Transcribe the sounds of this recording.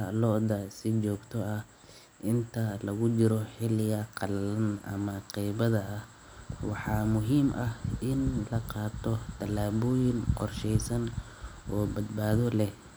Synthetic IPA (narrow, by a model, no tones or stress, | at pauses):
lɔd̪ɐsɪt͡ʃɔːɡt̪ʰɔɐh | ʔɪnt̪ʰɐlɐɣʊt͡ʃɪɾɔħɪlɪɣɐqɑlɐnɐ̰mɐqɛjβɐðɐːh | wɑħɑːmʊɦiːmʔɐhɪnlɐqɑːt̪ʰɔt̪ʰɐlːaːβɔːjɪŋqɔrʃɛjsɐn | ʔɔːbɐd̪baːðɔlɛh